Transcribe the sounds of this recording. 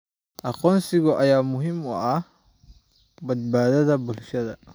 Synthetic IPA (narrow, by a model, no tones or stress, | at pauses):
ʔɐqɔːnsɪɣɔʔɐjaːmʊɦɪmʊ̰ɐh | bɐd̪̚baːðɐðɐbʊlʃɐðɐ